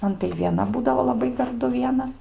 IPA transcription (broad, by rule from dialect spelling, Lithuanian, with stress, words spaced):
ˈmɐn tɐɪ ʋʲiɛˈnɐ ˈbuːdɐʋoː lˠɐˈbɐɪ ɡɐrˈdʊ ˈʋʲiɛnɐs